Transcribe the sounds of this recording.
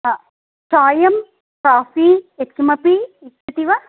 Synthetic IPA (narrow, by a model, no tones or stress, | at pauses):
t͡ʃaːjɐm | kaːfiet̪̚kʲimɐpiit̪̚kɐt̪iʋɐ